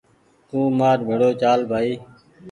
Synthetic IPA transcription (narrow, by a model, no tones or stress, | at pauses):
t̪ũːmaːɾbʱeɽoːt͡ʃaːlbʱaːiː